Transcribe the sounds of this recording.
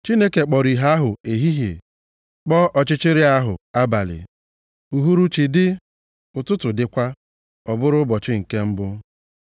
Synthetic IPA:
t͡ʃi˦ne˦ke˨k͡pɔ˨ɾi˨ɦa˦ɦʊ˨e˨ɦi˦ɦḛ˨ | k͡pɔ˦ʔɔ˨t͡ʃɪ˦t͡ʃɪ˦ɾɪ˦a˦ɦʊ̰˨a˦ba̰˨lɪ̰˨ | u˨ɦu˦ɾu˦t͡ʃi˨dɪ˦ | ʊ˨tʊ˦tʊ˨dɪ˦kʷa˦ | ɔ˨bʊ˦ɾʊ˦bɔ˨t͡ʃɪ˦ŋ̩˨ke˦m̩˦bʊ˦

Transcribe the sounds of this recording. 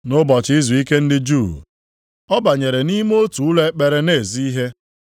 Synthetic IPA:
nʊ˦bɔ˨t͡ʃi˦zu˨i˦ke˦n̩˦dɪ˦d͡ʒu˦˨ | ɔ˦ba˨ɲe˨ɾe˨ni˦m˦o˦tu˨u˦le˦k͡pe˨ɾe˨ne˦˨zi˦i˦ɦe˦

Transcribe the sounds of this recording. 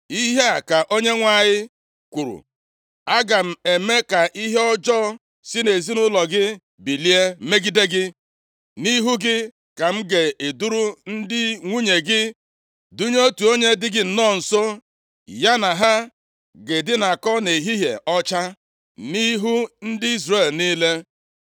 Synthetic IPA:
i˦ɦe˦a˨ka˨ʔo˦ɲe˦ŋʷa˨ɲɪ˦ | kʷu˨ɾṵ˨ | a˦ɡa˨m̩˨e˨me˦ka˨ʔi˦ɦe˦ɔ˦d͡ʒɔː˦ | sɪ˦ne˨zi˦nʊ˦lɔ˨ɡɪ˦ | bi˨li˦e˦me˦ɡi˦de˦ɡɪ˦ | ni˦ɦu˦ɡɪ˦ | ka˨m̩˦ɡe˨e˨du˦ɾu˦n̩˦dɪ˦ŋʷu˦ɲe˨ɡɪ˦ | du˦ɲ˦o˦tu˨o˦ɲe˦dɪ˦ɡɪ˦n̩˨nɔː˦˨n̩˨so˦ | ja˦na˨ɦa˦ | ɡe˨dɪ˦na˨kɔ˦ne˨ɦi˦ɦḛ˨ɔ˦t͡ʃa˦ | ni˦ɦu˦n̩˦dɪ˦i˦zre˦˨lni˦le˦

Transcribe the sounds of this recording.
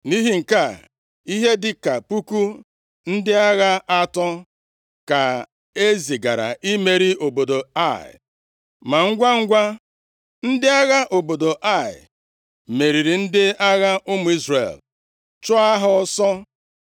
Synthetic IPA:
ni˦ɦi˦ŋ̩˨ka˦˨ | i˦ɦe˦dɪ˦ka˨pu˦ku˦ | n̩˦dɪ˦a˦ɣa˦a˦tɔ˦ | ka˨ | e˦zi˨ɡa˨ɾa̰˨i˦me˨ɾi˦o˨bo˨do˨a˦˨ɪ̰˨ | ma˨ŋ̩˦ɡʷa˦ŋ̩˦ɡʷa˦ | n̩˦dɪ˦a˦ɣa˦ʔo˨bo˨do˨ʔa˦˨ɪ̰˨ | me˨ɾi˨ɾi˨n̩˦dɪ˦a˦ɣa˦ʔʊ˦mʊ˨˦i˦zrḛ˨l | t͡ʃɔ˦a˦ɦʊ˦sɔ˦

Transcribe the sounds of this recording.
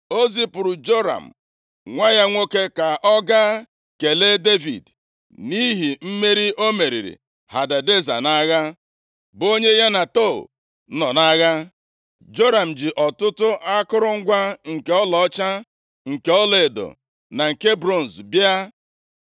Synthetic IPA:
o˦zi˦pʊ˨ɾʊ˨d͡ʒo˦ɾa̰˨m̩˨ | ŋʷa˦ja˦ŋʷo˦ke˦ka˨ʔɔ˦ɡa˦ | ke˨le˦de˦vḭ˨d | ni˦ɦi˨m̩˦me˦ɾi˦ʔo˦me˨ɾḭ˨ɾḭ˨ | ha˨da˨de˦za̰˨na˦ɣa˦ | bo˦ɲe˦ja˦na˨to̰˦˨˦ | nɔ˨na˦ɣa˦ | d͡ʒo˦ɾa˨m̩˨d͡ʒi˨ʔɔ˨tʊ˦tʊ˦ʔa˦kʊ˦ɾʊ˦ŋ̩˦ɡʷa˦ŋ̩˨ke˨˦ɔ˦lɔ˨˦t͡ʃa˦ | ŋ̩˨ke˨ɔ˦le˨do̰˨ | na˨ŋ̩˨ke˦bɾo˦˨n̩˨zbja˦

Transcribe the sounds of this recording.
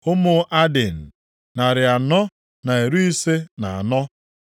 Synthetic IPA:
ʊ˦mʊ˨˦ʔa˦de˨n̩˨ | na˨ɾɪ˨a˨nɔ˦ | na˨e˨ɾu˦i˦se˦na˨a̰˨nɔ˦

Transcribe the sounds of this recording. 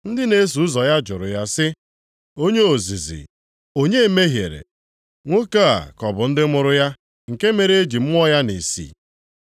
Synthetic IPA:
n̩˦dɪ˦ne˦s̬u˨ʊ˦zɔ˨ja˦d͡ʒʊ˨ɾʊ̰˨ja˦sɪ˦ | o˦ɲe˦o˨zi˨zḭ˨ | o˦ɲe˦me˦ɦje˨ɾḛ˨ | ŋʷo˦ka˦a̰˨kɔ˨bʊ˨n̩˦dɪ˦mʊ˦ɾʊ˦ja˦ | ŋ̩˨ke˦me˨ɾe˦e˦d͡ʒi˨m̩˦m˦ɔ˦ja˦ni˨sḭ˦˨

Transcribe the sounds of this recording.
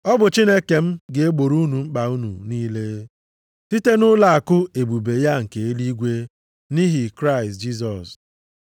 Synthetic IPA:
ɔ˦bʊ˨t͡ʃi˦ne˦ke˨m̩˦ɡe˨e˦ɡ͡bo˨ɾu˦nu˨ŋ͡m̩˦k͡pa˨u˦nṵ˨niː˦le˦ | ti˦te˦nʊ˦la˨a˨kʊ˦e˨bu˨be˨ja˦ŋ̩˨ke˨e˦li˦ɡʷe˦ | ni˦ɦi˨kɾa˦ɪ˨std͡ʒi˦s̬ɔ˨s

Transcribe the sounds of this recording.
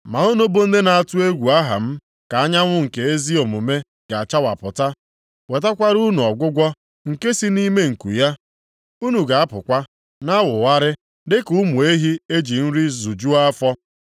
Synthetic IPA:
ma˨o˦no˦bo˦n̩˦de˦na˨a˦˨tʊ˦e˦ɡʷu˨a˦ɦa̰˨m̩˦ | ka˨a˦ɲa˦ŋʷʊ˦ŋ̩˨ke˨e˦zi˦o˨mu˨me˦ | ɡ̥a˨a˨t͡ʃa˦wa̰˨pʊ˨ta˦ | we˨ta˦kʷa˦ɾu˦nu˨ɔ˨ɡʷʊ˦ɡʷɔ˦ | ŋ̩˨ke˦si˦ni˦me˦ŋ̩˨kṵ˨ja˦ | u˦nu˨ɡa˨a˦pʊ˨kʷa˦ | na˦wʊ˨wa˦ɾɪ˦ | dɪ˦kʊ˦mʊ˨e˦ɦi˦e˦d͡ʒi˨n̩˦ɾi˦zu˨d͡ʒu˦a˦a˦fɔ˦

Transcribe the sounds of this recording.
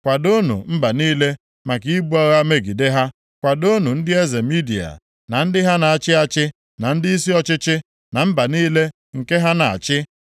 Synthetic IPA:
kʷa˨do˦nṵ˨m̩˦ba˨niː˦le˦ | ma˨ki˨˦i˦bu˦a˦ɣa˦me˦ɡi˨de˦ɦa˦ | kʷa˨do˦nu˨n̩˦dɪ˦e˦ze˨mi˦dḭ˨a̰˨ | na˨n̩˦dɪ˦ɦa˦na˨a˨t͡ʃɪ˦a˨t͡ʃɪ˦ | na˨n̩˦dɪ˦i˦si˦ɔ˦t͡ʃɪ˦t͡ʃɪ˦ | na˨m̩˦ba˨niː˦le˦ | ŋ̩˨ke˦ɦa˦na˨a̰˨t͡ʃɪ˦

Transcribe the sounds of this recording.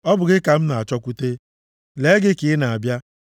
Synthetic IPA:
ɔ˦bʊ˨ɡɪ˦ka˨m̩˦na˨a˨t͡ʃɔ˦kʷu˦te˦ | le˨˦ɡɪ˦kɪ˨ɪ˦na˨a˨bja˦

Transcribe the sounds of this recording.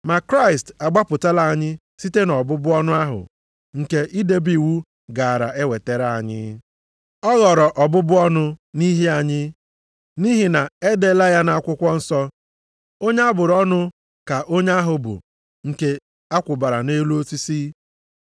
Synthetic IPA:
ma˨kɾa˦ɪ˨sta˨ɡ͡ba˦pʊ˨ta˦la˨a˦˨ɲɪ˦ | si˦te˦nɔ˨bʊ˦bʊ˦ɔ˦nʊ˦a˦ɦʊ̰˨ | ŋ̩˨ke˨ʔi˦de˨bi˨wu˦ | ɡa˨a˨ɾa̰˨e˦we˨te˨ɾa˨a˨ɲɪ̰˦ | ɔ˦ɣɔ˨ɾɔ˨ʔɔ˨bʊ˦bʊ˦ɔ˦nʊ˦ni˦ɦe˦a˨ɲɪ˦ | ni˦ɦi˨na˨e˦de˨˦la˦ja˦na˨a˦˨kʷʊ˦kʷɔ˦n̩˦sɔ˦ | o˦ɲe˦a˦bʊ˨ɾɔ˦nʊ˦ | ka˨ʔo˦ɲa˦ɦʊ˨bʊ̰˨ | ŋ̩˨ke˦ | a˦kʷʊ˨ba˨ɾa̰˨ne˦lu˦o˦si˦si˦

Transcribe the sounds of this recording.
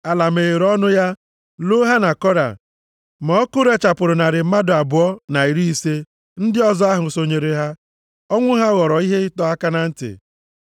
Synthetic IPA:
a˨la˨m̩e˨ɣe˨ɾɔ˦nʊ˦ja˦ | lo˦ɦa˦na˨kɔ˦ɾa̰˨ | mɔ˨˦kʊ˦ɾe˨t͡ʃa˨pʊ˨ɾʊ˨na˨ɾɪ˨m̩˦ma˦dʊ˨a˨bʊ˨ɔ˦na˨i˨ɾi˦i˦se˦ | n̩˦dɪ˦ɔ˦zɔ˦a˦ɦʊ˨so˨ɲe˨ɾe˨ɦa˦ | ɔ˦ŋʷʊ˦ɦa˦ɣɔ˨ɾɔ˨i˦ɦe˦ɪ˦tɔ˦a˦ka˦na˨n̩˦tɪ̰˨

